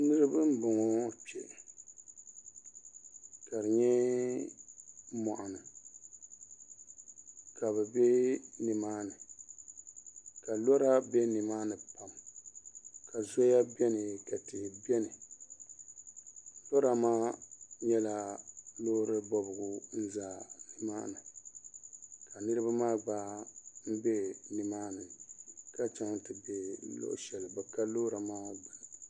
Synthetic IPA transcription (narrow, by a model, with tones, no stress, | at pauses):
nɨ˦ɾɨ˦bɨ˦m˦bʊ˨ŋɔ˦t͡ʃɛ̰˨ | ka˨ɾɨ˨ɲɛ˦ | mɔ˨ʔa˨nɨ˨ | ka˨bɛ˨bɛ˦nɨ˨maː˦nɨ˨ | ka˨lɔ˦ɾa˦bɛ˦nɨ˨maː˦nɨ˨pa˨m | ka˨zɔ˦ja˦bɛ˦nɨ˨ka˨tɪ˨hbɛ˦nɨ˨ | lo˦ɾa˨maː˦ɲɛ˦la˨lo˦ɾɨ˦bɔ˨bɨ˨ɡʊ˨n̩˦zaː˨nɨ˨maː˦nɨ˨ | ka˨nɨ˦ɾɨ˦ba˦maː˦baː˦m̩˦bɛ˦nɨ˨maː˦nɨ˨ka˦t͡ʃa˦ŋtɨ˨bɛ˦lo̰˦ʔʃɛ˨lbɛ˨ka˦lo˦ɾa˨maː˦bɨ˨nɨ˨